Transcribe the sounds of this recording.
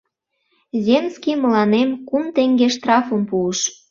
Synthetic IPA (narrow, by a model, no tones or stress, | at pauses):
zʲemskʲimə̆lɑnemkumt̪eŋɡeʃt̪rɑfə̆mpuəʃ